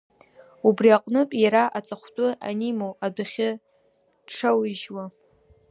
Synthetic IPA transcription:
ubriaqʼnɨpʼjaɾaʔat͡sʼaχʷtʼʊa̰nimowadaχʲɪ | ʈ͡ʂʰawiʒwa

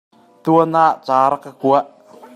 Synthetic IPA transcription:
t̪uənaʔt͡saːɾakakuaʔ

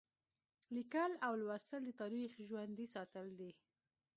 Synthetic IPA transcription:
likəlawlwast̪əld̪ət̪ɑɾixʒwand̪isɑt̪əld̪i

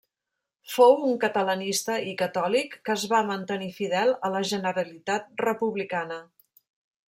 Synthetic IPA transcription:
fowuŋkət̪ələnist̪əikət̪ɔlikːəzβamənt̪ənifiðɛlˠələʒənəɾəlit̪at̪̚rəpuβlikanə

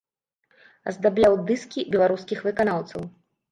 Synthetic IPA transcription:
zd̪ablʲawd̪ɨskʲibʲɛlˠaɾuskʲixvɨkanawt̪sɐw

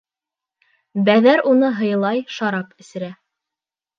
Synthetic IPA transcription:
bæðæɾunɤɦɤ̆jɤ̆lˠɑjʃɑɾɑpɘ̆sɘ̆ɾæ

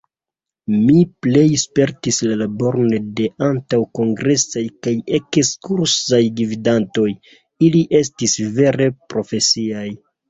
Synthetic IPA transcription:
miple̞jspe̞ɾtislalabo̞ɾnede̞antawko̞ŋɡɾe̞sajkajekskuɾsajɡividanto̞j | iliʔe̞stisve̞ɾe̞pɾo̞fe̞siaj

